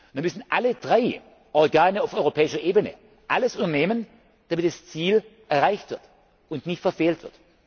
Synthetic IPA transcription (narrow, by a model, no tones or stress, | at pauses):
viɐnmʏsn̩ʔaləd̥ʁaɪ | ʔɔɐɡaːnəaʊfɔʏʁopʰɛːɪʃɐʔeːbənə̰ | ʔaləsundɐneːmən | d̥amɪt̚ast͡siːlʔɛɐʁaɪçtv̥ɪɐt | ʊntnɪçtfɛɐfeːltv̥ɪɐt